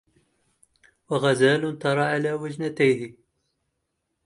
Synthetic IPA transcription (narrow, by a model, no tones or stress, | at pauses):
waɣæzæːlʊnt̪ɑɾˤɑʕalaːwəʒnat̪æjði